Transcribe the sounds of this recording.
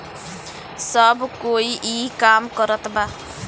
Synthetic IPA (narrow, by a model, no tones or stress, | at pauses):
sʌbkoiʔikamkʌɾʌt̪ba